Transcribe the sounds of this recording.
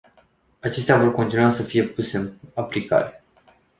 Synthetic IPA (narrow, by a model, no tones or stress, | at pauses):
at͡ʃe̞st̪eavo̞rko̞nt̪inuasəfije̞puse̞ɨnaplika̰ɾe̞